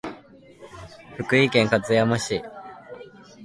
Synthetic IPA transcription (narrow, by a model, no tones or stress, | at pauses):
ɸɯ̟kɯ̟ikẽ̞ŋkat͡sɨjamaɕi